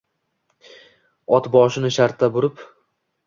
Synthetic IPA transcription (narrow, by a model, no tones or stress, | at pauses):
ɒt̪bɒʃɪnɪʃaɾt̪ʰːabʊɾɪp